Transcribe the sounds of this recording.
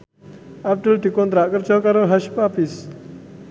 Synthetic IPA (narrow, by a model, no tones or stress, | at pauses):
ap̚ʈəlʈikont̪ɾaʔkəɾt͡ʃɔkaɾɔɦɐʃpapis